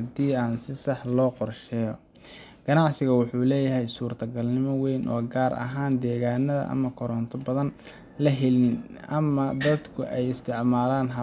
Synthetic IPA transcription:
ɐd̪iːaːnsɪsɑħlɔːqɔrʃɛːjɔ | ɡ̥ɐnɑʕsɪɣɐwʊħuːlɛːjɐɦɛjsuːrt̪ʰɐɡɐlnɪmɔwɛjnʔɔːɡaːɾɐ̰ɦaːnd̪ɛːɣaːnɐðɐ̰ʔɐ̰mɐkʰɔɾɔnt̪ʰɔbɐðɐn | lɐɦɛlnɪnʔɐmɐd̪ɐd̪kʰʊʔɛjɪst̪ʰɪʕmaːlaːnɦɐ

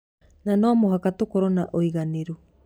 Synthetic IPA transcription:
nanɔmoɦakatokoɾɔnaʔoiɣaneɾu

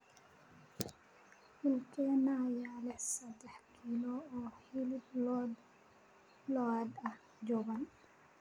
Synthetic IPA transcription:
hɪlkʰɛːnaːjaːlɛħsɐd̪ɛħkʰilɔɔːhilblɔːd̪ | lɔaːd̪ɐh | d͡ʒɔɣɐn

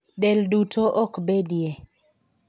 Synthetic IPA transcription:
dɛldutoʔɔkbedje

